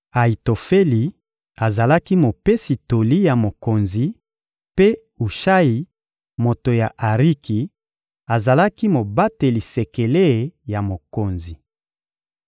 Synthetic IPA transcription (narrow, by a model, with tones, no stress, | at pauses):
a˨i˨to˨fe˦li˨ | a˨za˨la˦ki˦mo˨pe˦si˨to˨li˦ja˨mo˨ko˨nzi˨ | pe˦ | u˨ʃa˦ji˨ | mo˨to˨ja˨ʔa˨ʁi˦ki˨ | a˨za˨la˦ki˦mo˨ba˦te˨li˨se˨ke˨le˦˨ja˨mo˨ko˨nzi˨